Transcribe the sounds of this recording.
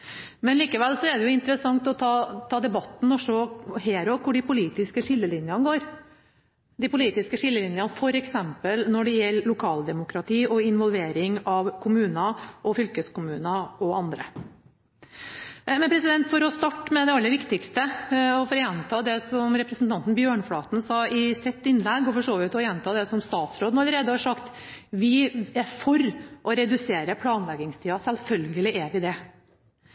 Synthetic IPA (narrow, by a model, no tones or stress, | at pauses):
mɛnliːkəʋɛlsɔɛɖ̪ɛjʊɪnt̪əɾəsɑŋt̪ɔt̪ʰɑːt̪ʰɑːd̪ɛbɑt̪ːn̩ɔʂɔheːɾɔkkʊɖɪpʰʊliːt̪ɪskəʂɪlːəlɪnjənəɡoːɾ | d̪ɪpʊliːt̪ɪskəʂɪlːəlɪnjɑnfɔɾɛksɛmpəlnɔɖɛjɛlːʊkʰɑːld̪ɛmʊkɾɑt̪ʰiːɔɪnʋɔlʋeːɾɪŋɑʋkʰʊmʉːnɑʔɔfʏlkəskʊmʉːnɑɔɑnd̪ɾə̰ | mɛnpʰɾɛsɪd̪ɛnt̪fɔɾɔst̪ɑʈːmɛd̪ɛɑlːəɾʋɪkt̪ɪkst̪əɔfɔɾjɛnt̪ʰɑːd̪ɛsɔmɾɛpɾɛsn̩t̪ʰɑnt̪n̩bjøːɳfɽɑːt̪n̩sɑːɪsɛt̪ːɪnlɛɡːɔfɔʂoːʋɪt̪ːɔjɛnt̪ʰɑːd̪ɛsɔmst̪ɑːt̪sɾoːd̪nɑləɾeːd̪əhɑʂɑkt̪ | ʋɪæɾfɔɾʔɔɾɛd̪ʉseːɾəpʰlɑːnlɛɡɪŋst̪ʰiːɑsɛlfœlɡəlɪæɾʋɪd̪ɛ